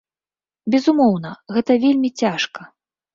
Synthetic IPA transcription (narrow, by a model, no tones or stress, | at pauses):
bʲɛzumɔwnɐɣɛt̪ɐvʲelʲmʲit͡sʲaʂkɐ